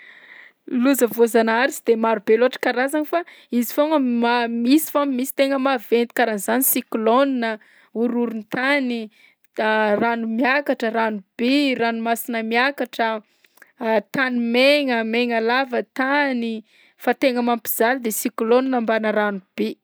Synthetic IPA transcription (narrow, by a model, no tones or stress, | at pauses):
luzəvozanaɾizid̪emaɾubeloaʈ͡ʂə̥kaɾazaŋifaizi̥foŋəmamisi̥famimisi̥t̪eŋəmavent̪i̥kaɾanizanisikloninə | uɾuɾunt̪ani | ranumjakaʈ͡ʂəɾanub̥eranumasinəmjakaʈ͡ʂə | t̪animeŋəmeŋəlavət̪ani | fat̪eŋəmampi̥z̥ald̪esikloninəmbanəɾanub̥e